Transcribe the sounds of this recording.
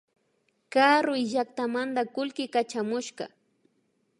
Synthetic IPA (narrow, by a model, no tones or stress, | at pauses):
kaɾʊjʒak̚t̪amand̪akʊlkɪkat͡ʃamʊʃɢɑ̰